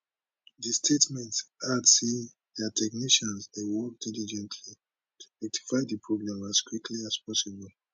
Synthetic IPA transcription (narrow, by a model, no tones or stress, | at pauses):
ðistʰetmɛ̃ntsadsi | ðɛtʰɛkniʃɔ̃nsdewɔk̚d̥ilid͡ʒɛ̃ntʰli | tʰu̥ɛk̚tʰi̥faɪdipʰɹoɡɹãmaskwikʰliaspɔsibɔl